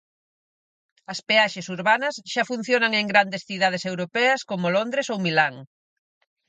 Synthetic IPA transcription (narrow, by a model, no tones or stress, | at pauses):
ɐspeaʃesuɾβanɐsʃafun̟θjonɐŋeŋɡɾand̪esθiðað̞esewɾopɛɐskomolond̪ɾesowmilaŋ